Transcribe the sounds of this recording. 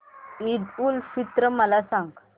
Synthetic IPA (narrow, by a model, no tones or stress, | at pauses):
iɖulfit̪ɾəməlasãŋɡ